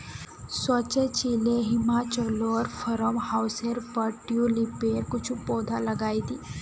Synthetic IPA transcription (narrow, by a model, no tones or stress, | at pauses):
swət͡ʃet͡ʃileɦimat͡ʃəloɾfʰəɾəmhawseɾpəʈjulipeɾkut͡ʃʰũpod̪ʱaləɡaːjt̪iː